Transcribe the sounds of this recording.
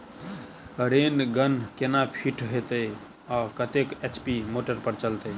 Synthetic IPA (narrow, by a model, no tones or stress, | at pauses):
ɾenɡənkenapʰiʈɦet̪əj | ɔkət̪eket͡ʃpimoʈəɾpəɾt͡ʃəlt̪əj